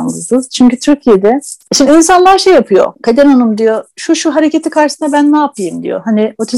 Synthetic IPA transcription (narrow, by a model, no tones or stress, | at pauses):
nɯsɯz̥t͡ʃʰyɲcyt̪ʰyɾcʰijed̪ɛʃimd̪iinsanlˠaɾʃejapʰɯjo̞̰kʰad̪enonumd̪ijoʃuʃuɦaɾecet̪ʰikʰaɾʃɯsɯnabænːaːpʰɯjɯmd̪ḭjo̰ɦaniot̪ʰi